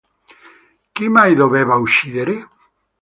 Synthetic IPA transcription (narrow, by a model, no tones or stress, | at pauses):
kimajðoβeβawʃiðeɾe